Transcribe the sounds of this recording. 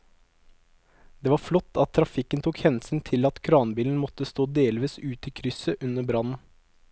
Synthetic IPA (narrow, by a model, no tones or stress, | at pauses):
d̪̥eːʋɑːɾflɔt̪ʰːɑt̪ʰːɾɑfɪkənt̪ʰuːkhɛnsnt̪ʰɪlɑt̪kʰɾɑːnbiːln̩mɔt̪əst̪oːd̪eːlʋiːsʉːt̪ɪkʰɾʏsəʔʉnəbɾɑnn̩